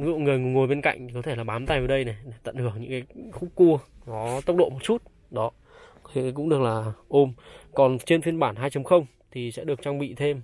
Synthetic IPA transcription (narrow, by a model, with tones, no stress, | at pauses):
ŋɨ˧˨ŋɨ˨˩əjŋ˨˩ŋo˨˩jɓe˧nka̰˧˨jŋ̟t̪ʰi˨˩kɔ˨˦e˧˩laː˨˩ɓaː˨˦mt̪a˧jvəː˨˦ɗə˧jna˨˩ɗe˧˩t̪ə̰˧˨nhɨ˧˩əŋɲɨ̰˧˥kaː˨˦jxk͡p̚kːu˧ənɔ˨˦t̪ə˦˥wk͡p̚ɗo̰˧˨mo˨˩t̚t͡ɕu˦˥t̚ | ɗɔ˨˦ | e˨˦˨k̬ʊ̰˧˥ŋ͡mɗɨ˨˩ək̚laː˨˩ʔo˧mkɔ˨˩nt͡ɕe˧nfi˧ənɓaː˧˩nɦaː˧jt͡ɕə˨˦mxə˧wŋ͡m | t̪ʰi˨˩sɛ̰˧˥ɗɨ˨˩ək̚t͡ɕaː˧ŋɓḭ˧˨t̪ʰe˧m